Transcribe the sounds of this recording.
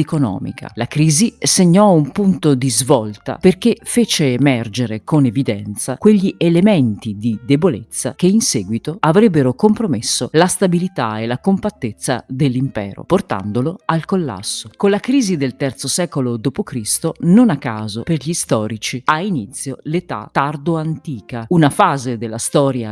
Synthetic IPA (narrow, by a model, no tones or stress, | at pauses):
konɔ̰ːmḭka̰lakɾiːziseɲːɔumpunt̪od̪izvɔlt̪a̰perkefeːt͡ʃeːmɛrd͡ʒeɾekonevid̪ɛnt̪sakweʎːiʔelement̪id̪id̪ebolet̪sːa̰k̟einsɛːɡwit̪oavɾɛbːeɾokompɾomesːolast̪abilit̪aelakompat̪ːet̪sːad̪elːimpɛ̰ːɾo̰port̪a̰nd̪oloalkolːa̰sːokonlakɾiːzid̪elt̪ɛrt̪sosɛːkolod̪oːpokɾist̪ononakːaːzoperʎist̪ɔːɾit͡ʃiainit̪sːjolet̪a̰t̪ːard̪oant̪iːkaunafaːzed̪elːast̪ɔːɾja̰